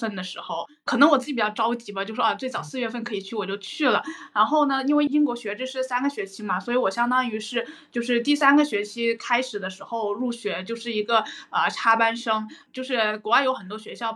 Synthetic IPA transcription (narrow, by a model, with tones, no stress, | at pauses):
fə˥˩nd̪ə˩ʂɻ̩˧˥xo˥˧ʊkʰɤ˨˩nɤ˧˥ŋwɔ˨˩t͡sɹ̩˥˩i˨˩pjɑ˥˩ʈ͡ʂɑ˥ʊt͡ɕi˧˥bɐ˧t͡ɕjo˥˧ʊʂt͡swe˥˩ɪt͡sɑ˨˩ʊsɹ̩˥˧ɥɛ˥˧fə˥˩nkʰɤ˧˥i˨˩t͡ɕʰy˥˩wɔ˨˩t͡ɕjo˥˧ʊt͡ɕʰy˥˩lə˩ɻa˧˥nxo˥˩ʊnə˩i˥nwe˥˩ɪi˥ŋkwɔ˧˥ɕɥɛ˧˥ʈ͡ʂ̩˥˧ʂɻ̩˥˩sa˥nɡə˨ɕɥɛ˧˥t͡ɕʰi˧˥mɐ˨swɔ˧˥i˧˥wɔ˨˩ɕjɑ˥ŋt̪ɑ˥ŋy˧˥ʂɻ̩˥˩˧t͡ɕjo˥˧ʊʂ̬ɻ̩˥˧t̪i˥˩sa˥nɡə˨ɕɥɛ˧˥t͡ɕʰi˥kʰa˥ɪʂɻ̩˨˩d̪ə˦ʂɻ̩˧˥xo˥˧ʊɻu˥˩ɕɥɛ˧˥t͡ɕjo˥˧ʊʂɻ̩˥˩i˧˥ɡə˧ə˩ʈ͡ʂʰa˥pa˥nʂɤ˥ŋt͡ɕjo˥˧ʊʂɻ̩˥˩kwɔ˧˥wa˥˩ɪjo˧˥ʊxə˨˩nt̪wɔ˥ɕɥɛ˧˥ɕjɑ˥˩ʊ